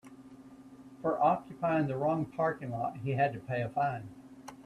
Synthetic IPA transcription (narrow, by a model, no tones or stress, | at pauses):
fə˞ʔɑkjɨpʰaɪɪ̃ŋðɨɹɔ̃ŋpʰɑɹkɪ̃ŋlɔt̚ɦiɨd̚tɨpʰeɪɨfãɪ̃n